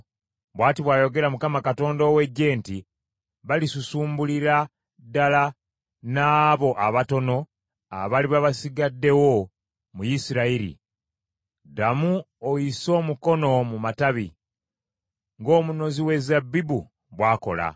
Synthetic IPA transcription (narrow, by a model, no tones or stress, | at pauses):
βwaːtiβwaːjo̞ɡe̞ɾamukamakato̞ːndoːwe̞ɟe̞ːnti | βalisusuːmbuliɾa | dala | naːβo̞ʔaβato̞no̞ | a̰βaliβaβasiɡadːe̞wo̞ | mujisiɾaiɾḭ | damu | ojiso̞ːmuko̞no̞mumataβi | ŋɡo̞ːmuno̞ziwe̞zabibu | βwaːko̞̰la̰